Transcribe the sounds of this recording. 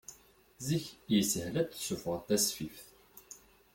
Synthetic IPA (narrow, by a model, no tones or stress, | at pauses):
ziçjsəhlæd̪θsːufʁət̪ːæsfifθ